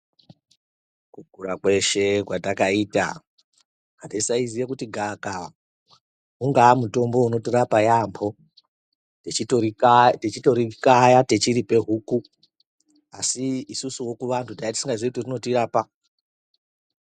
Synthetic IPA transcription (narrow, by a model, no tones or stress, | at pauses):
kuɡʱuɾakwe̞ʃe̞kwatakaiːta̰ | andesaizijekutiɡʱaka | uŋɡaːmuto̞mbo̞uno̞tiɾapajambo̞ | eitoitet͡ʃito̞ɾikajate̞t͡ʃiɾipe̞ɦuku | asiːsusuwo̞kuʋantʰudajatisiŋɡaʐeitorino̞tiɾaːpa